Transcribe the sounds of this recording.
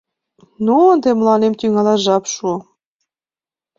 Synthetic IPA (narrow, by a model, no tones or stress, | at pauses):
nuənd̪emlɑnemt̪yŋɑlɑʒɑpʃu